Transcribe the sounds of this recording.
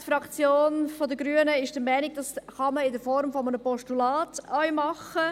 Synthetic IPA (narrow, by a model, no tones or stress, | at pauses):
t̪fɾɑkt͡sjoːnfɔd̪əɡɾyənəɪʃd̥əɾmɛːnɪɡ̚d̥ɑsχɑməɪdəɾfɔɾmfɔmənəpɔʃtulɑːtœʏmɑχə